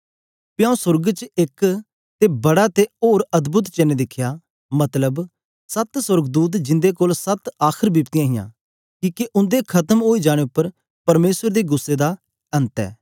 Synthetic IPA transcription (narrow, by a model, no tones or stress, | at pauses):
pjãːũsʊɾɡt͡ʃɪk | t̪ebɐɽat̪eoːɾɐd̪bʊt̪t͡ʃeneːd̪ɪkʰːjaː | mɐt̪ləb | sɐt̪sʊɾɡd̪uːt̪̬d͡ʒɪ̃nd̪ekoːlsət̪aːkʰəɾbipt̪ɪjãːɦɪjã̰ː | kiːkeʔʊ̃nd̪ekʰɐt̪əmɦoːid͡ʒaːɽ̃eʊpːəɾ | pɐɾmeːsəɾd̪eːɡʊsːed̪aː | ɐ̃nt̪ɛ̰ː